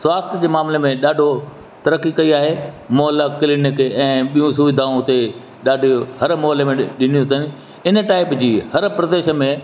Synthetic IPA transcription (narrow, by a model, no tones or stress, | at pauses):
sʋaːst̪ʰjəd͡ʑeːmaːmlemẽɗaːɖʱo | t̪ɐɾəkːikɐiaːɦeː | mɔːɦlakɪlɪnɪkɛ̃ːɓijũsʊʋɪd̪ʱaũʊt̪e | ɗaːɖʱɦɐɾmɔːɦlemẽɗɪnijut̪ʰənɪ̆ | ɪnə̆ʈaːɪpd͡ʑiːhɐɾpɾɐd̪eːʃəmẽ